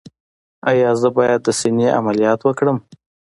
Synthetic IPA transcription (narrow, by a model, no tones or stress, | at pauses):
ajɑzəbɑjad̪ːəsineʔa̰malijɑt̪wəkɽəm